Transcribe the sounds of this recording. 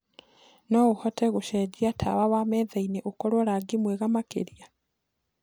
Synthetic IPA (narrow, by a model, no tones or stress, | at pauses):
noɣuhɔteɣuʃeɟiatʰa̰βaβamɛːðaineʔokoɾwoɾaɡimweɣamakḛɾia